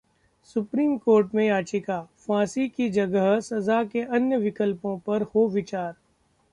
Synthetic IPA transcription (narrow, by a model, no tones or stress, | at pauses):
sʊpɾiːmkoːɾʈmẽjaːt͡ʃɪkaːfãːsikid͡ʒɐɡəɦsɐzaːkeʔɐnjəʋɪkəlpõpɐɾhoʋɪt͡ʃaːɾ